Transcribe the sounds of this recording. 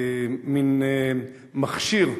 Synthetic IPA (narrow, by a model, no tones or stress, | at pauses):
min | maχʃiʁ